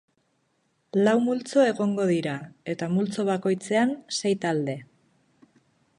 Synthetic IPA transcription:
lawmult͡so̞e̞ɣo̞ŋɡo̞ðiɾae̞t̪amult͡so̞β̞ako̞jt͡se̞anse̞jt̪ald̪e̞

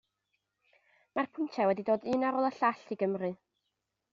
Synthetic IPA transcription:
marpʰʊntʰɛwɛdidoːdɨnaɾɔːlˠəɬaɬiɡəmrɨ

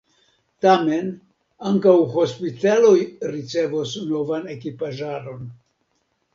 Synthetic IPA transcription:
tame̞n | aŋkawho̞spitalo̞jɾit͡se̞vosno̞vane̞kipaʒaɾo̞n

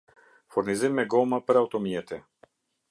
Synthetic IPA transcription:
fɔɾnizimɛɡɔmapɾɛat̪ɔmijɛt̪ɛ

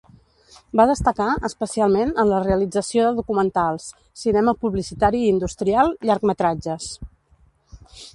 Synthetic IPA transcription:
baðəst̪əkaʔəspəsialˠmenənləreəlid͡zəsioðəðukumənt̪alˠs | sinɛməpuβlisit̪aɾiːnd̪ust̪ɾialˠʎaɾkmət̪ɾad͡ʒəs

